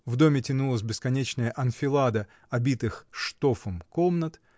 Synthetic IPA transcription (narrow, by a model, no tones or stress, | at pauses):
vd̪o̞mʲɪtʲɪnulˠəs̬ʲbʲɪskɐnʲet͡ɕnəjəʔɐnfʲɪlˠad̪ə | ɐbʲit̪ɨxʂt̪o̞fəmkomnət̪